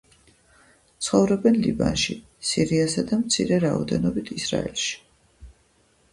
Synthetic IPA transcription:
t̪sʰχɔvɾɔbɛnliba̰nʃi | siɾiasad̪amt̪sʰiɾɛɾaɔd̪ɛnɔbit̪ʰisɾa̰ɛlʃi̥

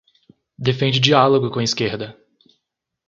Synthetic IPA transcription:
d̪efẽnd͡ʒɪd͡ʒialoɡʊkõɐiskeɾd̪ɐ

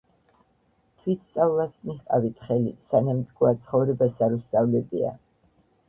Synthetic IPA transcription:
t̪ʰwit̪ʰst̪sʼavlˠasmiχqʼavit̪ʰχɛlḭsanamd̪ɡuat̪sʰχɔvɾɛbasaɾust̪sʼavlɛbia̰

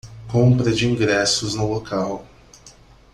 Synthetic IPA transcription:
kõmpɾɐd͡ʒɪĩŋɡɾɛsʊznʊlokaw

